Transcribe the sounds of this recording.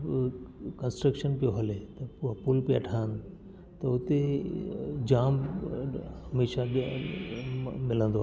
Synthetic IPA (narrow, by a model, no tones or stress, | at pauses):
kɐ̃nsʈɾəkʃənpijoɦɐlet̪ɐpuːɦpʊlpiɐ̰ʈʰaːn | t̪ɐʊt̪e | d͡ʑaːm | ɦɐmeːʃa | mɪlə̃nd̪oa